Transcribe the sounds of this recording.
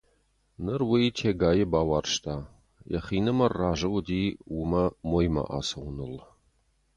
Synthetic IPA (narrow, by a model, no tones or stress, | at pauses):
nɨrwijtʰeːɡaːjɪbaːwaːrʃtʰaː | jɐ̰χiːnɨmɐrːaːʒɐwdiːwʊmɐmoːjmɐ̰ʔa̰ːsɐwnɨl